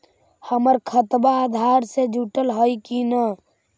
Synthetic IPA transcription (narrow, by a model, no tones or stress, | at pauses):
həməɾkʰət̪baːd̪ʱaːɾsed͡ʒuʈəlɦoikinə